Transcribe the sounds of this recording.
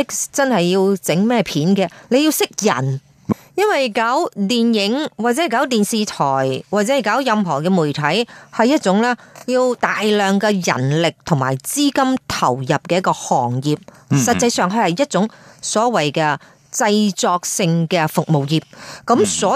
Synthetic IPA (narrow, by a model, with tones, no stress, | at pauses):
ɪ˥kt͡sɐ˥nhɐ˨jːiː˧wt͡sɪ˨˥ŋmɛː˥˩pʰiː˨˥nkɛː˧le˨˧jiː˧wsɪ˥k̚jɐ̰˨˩n | jɐ˥nwɐ˨jkaː˨˥wt̪iː˨˩njɪ˨˥ŋwaː˨t̚t͡sɛː˨˦˥kaː˨˥wt̪iː˨nsiː˨t̪ʰɔː˨˩jwaː˨t̚t͡sɛː˨˥˨kaː˨˥wjɐ˧mɦɔː˨˩kɛː˧muː˨˩jt̪ʰɐ˨˥jhɐ˨jːɐ˥t̚t͡sʊ˨˧˥ŋlɛː˥jiː˧wt̪aː˨jlœː˨˩ŋkɛː˧jɐ̰˨˩nlɪ˨k̚t̪ʰʊ˨˩ŋma̰ː˨˩jt͡siː˥kɐ˥mt̪ʰɐ̰˨˩wjɐ˨p̚kɛː˧jɐ˥kɔː˧hɔː˨˩ŋjiː˨p̚ | sɐ˨t̚t͡sɐ˧jsœː˨ŋɦɵ˧hɐ˨jːɐ˥t̚t͡sʊ˨˥ŋsɔː˨˥wɐ˨˩jkɛː˧ | t͡sɐ˧jt͡sɔː˧k̚sɪ˧ŋkɛː˧fʊ˨k̚mo˨wjiː˨p̚kɐ˨˥msɔː˨˥